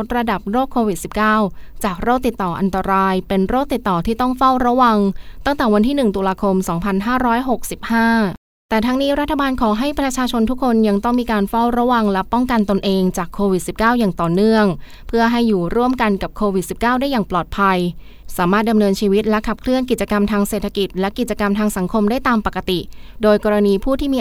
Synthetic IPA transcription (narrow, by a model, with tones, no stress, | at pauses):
t̪̚ɾa˧da˨˩p̚ɾoː˥˩kʰːoː˧wi˨˩si˨˩p̚kaː˥˩wt͡ɕaː˨˩k̚ɾoː˥˩k̚t̪i˨˩t̪ːɔː˨˩ʔa̰˧nt̪a˧ɾaː˧jpe˧nɾoː˥˩k̚t̪i˨˩t̪ːɔː˨˩t̪ʰiː˥˩t̪ɔ˥˩ŋfa˥˩wɾa˦˥wa˧ŋt̪a˥˩ŋt̪ɛː˨˩wa˧nt̪ʰiː˥˩nɯ˨˩ŋt̪uː˧laː˧kʰo˧msɔː˩˦ŋpʰa˧nɦaː˥˩ɾɔː˦˥jɦo˨˩k̚si˨˩p̚haː˥˩ | t̪ɛː˨˩t̪ʰa˦˥ŋniː˦˥ɾa˦˥t̪ʰːa˧baː˧nkʰɔː˩˦ɦa˥˩jpɾa˧t͡ɕʰaː˧t͡ɕʰo˧nt̪ʰu˦˥kʰːo˧nja˧ŋt̪ɔ˥˩ŋmiː˧kaː˧nfa˥˩wɾa˦˥wa˧ŋlɛ˦˥pɔ˥˩ŋka˧nt̪o˧nʔeː˧ŋt͡ɕaː˨˩kʰːoː˧wi˨˩t̪̚si˨˩p̚kaː˥˩wjaː˨˩ŋt̪ɔː˨˩nɯ˥˩əŋ | pʰɯ˥˩əɦa˥˩jːuː˨˩ɾu˥˩əmka˧nka˨˩p̚kʰoː˧wi˨˩si˨˩p̚kaː˥˩wdaː˥˩jaː˨˩ŋplɔː˨˩t̪̚pʰa˧j | saː˩˦maː˥˩t̪̚da˧mnɤː˧nt͡ɕʰiː˧wi˦˥t̪̚lɛ˦˥kʰa˨˩p̚kʰlɯ˥˩ənki˨˩t͡ɕa˧ka˧mt̪ʰaː˧ŋseː˨˩t̪ʰːa˧ki˨˩t̪̚lɛ˦˥ki˨˩t̪̚t͡ɕa˧ka˧mt̪ʰaː˧ŋsa˩˦ŋkʰo˧mda˥˩jt̪aː˧mpa˨˩kːa˧t̪i˨˩doː˧jkɔː˧ɾa˧niː˧pʰuː˥˩t̪ʰiː˥˩miː˧